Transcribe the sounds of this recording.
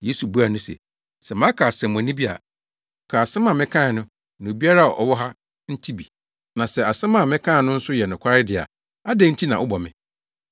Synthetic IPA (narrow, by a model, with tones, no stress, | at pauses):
je˦su˨bu˦a˨nʊ̃˦sɛ̰˨ | sɛ˨mã˦kʰa˨sɛ̃˨m̃˨nĩ˦bi˦a̰˨ | kʰa˨sɛ˦mã˨mɪ̃˦kʰã˦˨nʊ̃˦ | nʊ̃˨bi˦a˦ɾa˦˨ʔɔ̰˨wɔ˦ɦa˦ | n̩˦tʰi˦bi˨ | nã˨sɛ˨a˨sɛ̃˦mã˦˨mɪ̃˦kʰã˦˨nʊ̃˦n̩˦sʊ˦jɛ˨nʊ̃˨kʰʷa˦ɾɪ˦dɪ˨a̰˨ | a˦dɛ˦n̩˦tʰi˦nã˨ʔʊ˦bɔ˨mɪ̃˨